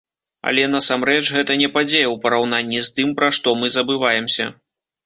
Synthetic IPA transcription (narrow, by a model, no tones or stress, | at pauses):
ɐ̰lʲɛnɐsamɾɛt͡ʂɣɛt̪ɐnʲɛpad͡zʲejɐwpɐɾawnanʲːist̪ɨmpɾaʂt̪ɔmɨzɐbɨvajɛmsʲɐ̰